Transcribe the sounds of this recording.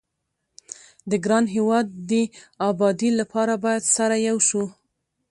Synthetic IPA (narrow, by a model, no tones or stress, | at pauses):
d̪əɡɾɑnɦewɑd̪ːəɑbɑd̪ilapʰɑɾabɑjad̪saɾajawʃu